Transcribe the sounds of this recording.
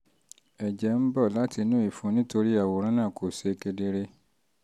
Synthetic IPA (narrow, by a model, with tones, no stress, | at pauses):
ɛ˨d͡ʒɛ˨˦m̩˦bɔ˦˨la˦ti˧nũ˦i˨fũ˨˧˦nĩ˦to˧ɾi˦a˦˨wo˨˦ɾ̃ã˦nãː˦˨kʰo˨se˨˧ke˧de˧ɾe˦